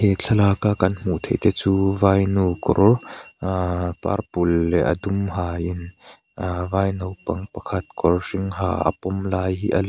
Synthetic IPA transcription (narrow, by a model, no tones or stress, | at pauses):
het͡ɬʰɐlaːkakɐnm̥uʔt̪ʰejt̪ɛt͡suːvaːjnukɔ̰r | pa̰rpulːɛʔɐ̰d̪umhaːɪn | vaːjnɔwpɐŋpɐkʰɐt̪̚kɔrsɪŋɦa̰ːʔɐ̰pɔmlaːjhiːʔɐl